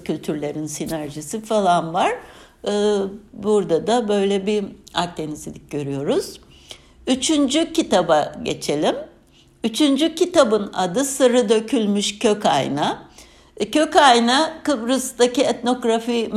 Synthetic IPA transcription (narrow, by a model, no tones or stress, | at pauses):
cʰylʲt̪ʰyɾlʲe̞ɾinsinæɾʒisifalˠanvaɾ̥ | ɯːbuɾd̪ad̪abø̞jlʲɛbia̰k̚t̪ʰenizilʲic̚ɟø̞ɾyjo̞ɾuz̥ | yt͡ʃʰynd͡ʒycit̪abaɟe̞̰t͡ʃʰe̞lʲim | yt͡ʃʰynd͡ʒycit̪abɯna̰d̪ɯsɯɾɯd̪ø̞cʰylʲmyʃcʰøca̰jna | cʰø̞cajnakɯbɾɯst̪aciɛt̪no̞ɡɾafim